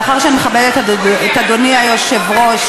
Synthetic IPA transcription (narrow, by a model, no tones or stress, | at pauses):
χaʁʃeanmeχabeletaetadoniajoʃevʁoʃ